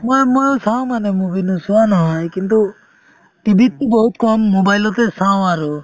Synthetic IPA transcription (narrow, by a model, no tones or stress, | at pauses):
mɔjmɔjɔsaw̃manɛmubinusuanɔɦɔjkint̪u | ʈibʱit̪ːibɔɦut̪̚kɔmːobajlɔt̪ɛsaw̃aɾu